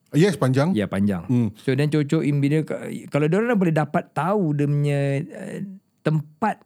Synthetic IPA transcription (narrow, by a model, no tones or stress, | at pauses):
jɛspaɲd͡ʒaŋjapaɲd͡ʒa̰ŋmsodant͡ʃot͡ʃɔʔimbidəkkaladoɾanabolɛdapat̪ːaudəmɲə̃ə̰ | t̪əmpat̪̚